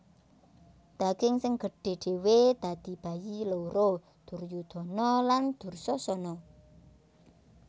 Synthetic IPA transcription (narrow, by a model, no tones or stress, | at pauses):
d̪̥a̤ɡ̥ɪŋsɪŋɡ̥ə̤ɖ̥e̤ɖ̥e̤wed̪̥a̤d̪̥i̤b̥a̤jilowɾo | d̪̥ṳrjud̪̥ɔ̤nɔland̪̥ṳrsɔsɔnɔ